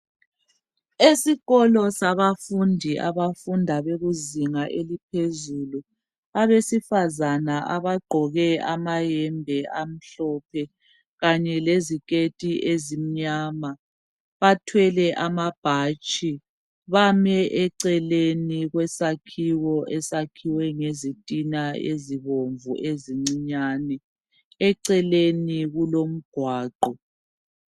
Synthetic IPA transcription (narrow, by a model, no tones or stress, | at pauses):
esiɣɔlɔsaβafundʱiʔa̰βafundʱaβeɣuziŋaʔelipʰezulu | aβesifazanaʔaβaɡ͡ǃʱɔɣɛamajɛmbʱɛʔam̩ɬɔpʰɛ | ɣaɲɛlezikʼetʼiʔezim̩ɲama | βatʰwɛlɛʔamab̥ʱat͡ʃʼi | βamɛʔɛǀɛleniɣwɛsakʰiwɔʔɛsakʰiwɛŋezitʼinaeziβoɱvṵʔeziŋ͡ǀiɲaːnɛ | ɛǀɛleniɣulom̩ɡ̥ʱwaːǃɔ